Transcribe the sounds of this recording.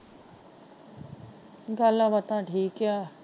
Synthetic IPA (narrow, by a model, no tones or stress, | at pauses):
ɡaːlaʋɐt̪ãʈʰiːkjaː